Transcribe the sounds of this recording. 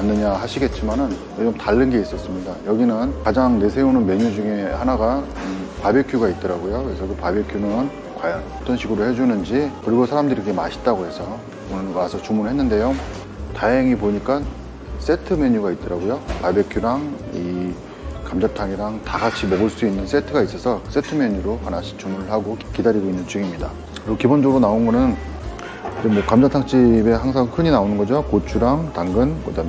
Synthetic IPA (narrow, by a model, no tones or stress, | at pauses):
anːɯɲaɦaɕʰiɡe̞t̚t͡ɕ͈imanɯn | jod͡ʑɯmtaɭːɯnɡe̞is͈ʌs͈ɯmɲidajʌɡinɯnkad͡ʑaŋne̞sʰe̞onɯnme̞ɲud͡ʑuŋehanaɡa | ɯpabjekʰjuɡait̚t͈ʌɾaɡojokɯɾe̞sʰʌkɯpabekʰjunɯn | kwajʌnʌt͈ʌnɕʰiɡɯɾohe̞d͡ʑunɯnd͡ʑikɯɾiɡosʰaɾamdɯɾiɡemaɕʰi̥t̚t͈aɡohe̞sʰʌ | onɯnmasʰʌt͡ɕumunɯɭhe̞nːɯnde̞jo | taɦeŋipoɲik͈an | s͈e̞tʰɯmeɲuɡait̚t͈ʌɾaɡojopabjekʰjuɾaŋ | i | kamd͡ʑatʰaŋiɾaŋtaɡat͡ɕʰimʌɡɯɭs͈uinːɯns͈e̞tʰɯɡais͈ʌsʰʌs͈e̞tʰɯmjeɲuɾohanaɕʰi̥t͡ɕuŋmuɾɯɭɦaɡokidaɾiɡoinːɯnt͡ɕ͈ɥiɡimɲida̰ | kɯɾiɡokibond͡ʑʌɡɾonaonɡʌnɯn | d͡ʑemwʌkamd͡ʑatʰaŋt͡ɕ͈ibe̞haŋsʰaŋkʰɯɲinaonɯnɡʌd͡ʑokot͡ɕʰuɾaŋtaŋɡɯnkɯdamj